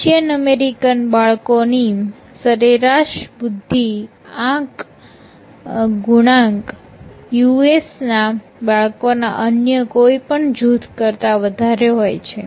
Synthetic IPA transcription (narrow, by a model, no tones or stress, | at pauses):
t͡ʃijənəmeɾikənbaɭkoni | səɾeɾaʃbud̪ʱːi | ãk | ɡuɽ̃ãŋɡ | juesna | baɭkona̰ʔənjəkoipəɳd͡ʒut̪kəɾt̪aʋəd̪ʱaɾeɦojt͡ʃʰe